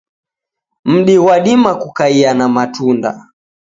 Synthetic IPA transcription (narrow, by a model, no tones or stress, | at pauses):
m̩ɗiɣwaɗimakukaianamatunda̰